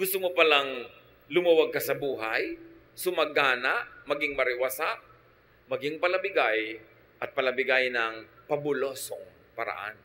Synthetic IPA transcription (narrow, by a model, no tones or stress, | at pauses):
ɡʊst̪ʊmopɐlaŋ | lʊmɐwaɡ̚kɐsɐbuːɦaj | sʊmɐɡaːnaʔmɐɡɪŋmɐɾɪwasaʔ | mɐɡɪŋpɐlɐbɪɡaj | ʔɐt̪̚pɐlɐbɪɡajnɐŋpɐbʊlosoŋ | pɐɾɐ̰ʔa̰n